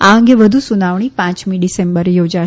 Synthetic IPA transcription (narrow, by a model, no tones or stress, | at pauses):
aəŋɡeʋəd̪ʱusunaʋɳ̃ipãt͡ʃmiɖisembəɾjod͡ʒa